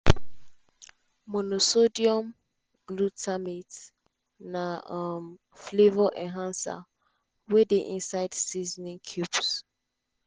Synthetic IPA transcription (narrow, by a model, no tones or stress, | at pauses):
mɔnosodiɔ̃m | ɡ̥lutamit | nam | flevɔʔɛ̃nɦãnsa̰ | wɛdeʔĩnsaɪdsiznĩŋkʰjups